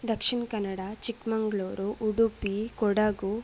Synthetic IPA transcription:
d̪ɐkʂiɳkɐnːɐɽat͡ʃikmɐŋɡɭoːɾuʔuɽupikɔɽaɡu

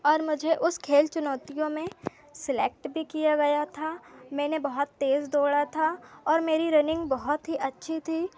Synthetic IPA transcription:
ɔːɾmʊd͡ʒʱeʔʊskʰeːlt͡ʃʊnɔːt̪ijõmẽ | sɪlḛːk̚ʈbʱikijaɡɐjat̪ʰaːmɛ̃ːnebɐɦʊt̪ːeːzd̪oːɽat̪ʰaɔːɾmeːɾiɾɐnɪ̃ŋɡbɔɦʊt̪ɦiʔɐtːʃʰit̪ʰiː

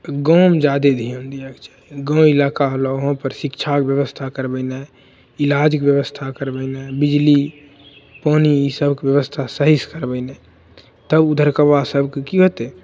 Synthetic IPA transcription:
ɡɔːmd͡ʒaːd̪ed̪ʱiõnd̪iakt͡ʃḁɡɔ̃ːmɪlaːkaɦloɦõpəɾsɪkt͡ʃʰakbjəʋəst̪ʰakəɾbəɪnɛ | ɪlaːd͡ʒkbjəʋəst̪ʰakəɾbənẽbɪd͡ʒli | poːniisəbkwjəʋəst̪ʰasəɦɪskəɾbəɪnɛ̃ | t̪əbʊd̪ʱəɾkəbasəbkekiɦot̪e

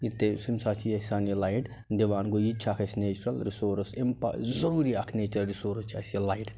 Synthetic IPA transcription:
jit̪esimsat͡ʃʰijɐsaːnilajʈ | d̪eʋaːnɡojit͡ʃʰakʰɐsʲneːt͡ʃɾɐlɾisoːɾɐsempa̰zɐɾuːɾiɐkʰneːt͡ʃɐlɾisoːɾɐst͡ʃʰɐsɐlajʈ̪

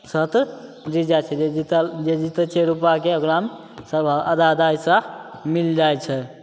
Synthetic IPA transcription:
sət̪ɾ | ɾid͡ʒat͡ʃʰɛd͡ʒeit̪əd͡ʒed͡ʒit̪ət͡ʃeɾupakeəkɾame | səbʱaəd̪ad̪ajsə̃mild͡ʒajt͡ʃʰɛ

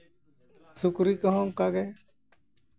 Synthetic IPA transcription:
sukɾikɔɦɔ̃kaɡɛ

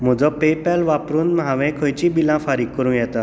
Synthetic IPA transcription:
m̤ɔd͡zɔpepalʋapɾuːnmɦaʋɛ̃kʰɔ̃jt͡ɕĩbilãfaɾiːkːəɾũːjɛt̪at̪

